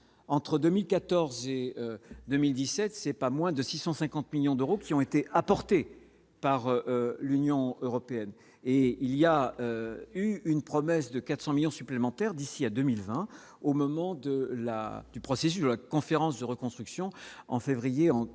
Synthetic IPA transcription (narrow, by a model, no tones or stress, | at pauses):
ɑ̃t̪χəd̪ømilkat̪ɔʁzeød̪ømild̪isɛt̪sɛpamwɛ̃d̪əsisɑ̃sɛ̃kɑ̃t̪miljɔ̃d̪øʁokʲiɔ̃et̪eʔapɔʁt̪e | paʁlynjɔ̃øʁɔpeɛn | eiliaøyynpχɔmɛsd̪əkat̪χsɑ̃miljɔ̃syplemɑ̃t̪ɛʁd̪isiad̪ømilvɛ̃ | omɔmɑ̃d̪əla̰d̪̥ypχɔses̬ysd̪əlakɔ̃feʁɑ̃sd̪əʁəkɔ̃st̪χyksjɔ̃ɑ̰̃fevʁijeɑ̃